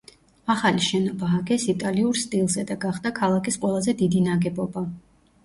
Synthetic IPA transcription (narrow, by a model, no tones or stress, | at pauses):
aχaliʃɛnɔbaːɡɛsit̪ʼaliuɾst̪ʼilˠzɛd̪aɡaχd̪akʰalˠakʰʼisqʼwɛlˠazɛd̪id̪inaɡɛbɔba